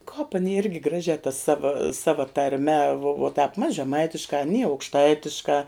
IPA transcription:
kɑːp ɐˈnʲɪ ˈɪrʲɡʲɪ ˈɡrɑːʒʲæː tɐ ˈsɑːʋɐ ˈsɑːʋɐ tɐrʲˈmʲɛ ʋoː tɑːp mɐs ʒʲɛˈmɐɪtʲɪʃkɑː ɐˈnʲiː ɐʊkʃˈtɐɪtʲɪʃkɑː

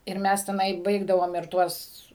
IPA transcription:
ɪr ˈmʲɛs tʲɛˈnɐɪ ˈbɐɪɡdɐʋoːm ɪr ˈtuɔs

